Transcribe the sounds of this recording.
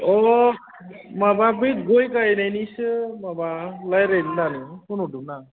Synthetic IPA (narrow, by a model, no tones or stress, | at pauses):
ɔ | mababɯɡojkajnajnisɯmabalajɾend̪anɯkunɦuʈuna